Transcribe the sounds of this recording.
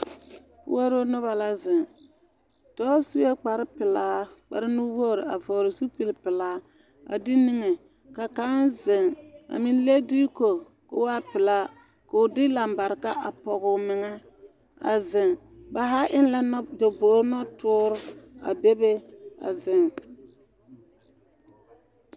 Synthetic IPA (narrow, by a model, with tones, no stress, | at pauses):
ʊ̰˦a˦ɾo˦nʊ˦βa˨la˦zɪ˨ŋ | tɔː˦su˦je˦k͡pa˨ɾɪ˦pɪ˨laː˦k͡pa̰˨ɾɪ˦nu˦bo˦˨ɾɪ˨a˨vɔː˨ɾɪ˨su˦pi˦lpɪ˨laː˦ | a̰˨dɪ˦ni˦ŋɛ˨ | ka˨ka˦nzɪ˨ŋa̰˨mɪ˨n˦le˦di˦ko˨ | kʊ˦wa˦pɪ˨la˦ | ka˨ʊ˨dɪ˦la˨mba˨ɾɪ˨ka˦ʔa˨pɔ˨ɣʊ˨mɪ˨ŋɛ˦ | a̰˨zɪ˨ŋ | ba˨ɦa˦ʔɪ˦n˦la˦n˦do˨bo˨˦ɾnɔ˦tʊː˦ɾʊ˦a̰˨be˦be˦a̰˨zɪ˨ŋ